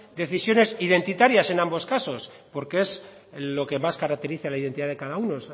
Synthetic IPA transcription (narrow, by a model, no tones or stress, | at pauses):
d̪e̞θisjo̞ne̞sið̞e̞nt̪it̪aɾjase̞nãmbo̞skaso̞s | po̞ɾkee̞z | lo̞ke̞maskaɾak̚t̪e̞ɾiθalaiðent̪iðaðe̞kaðaunos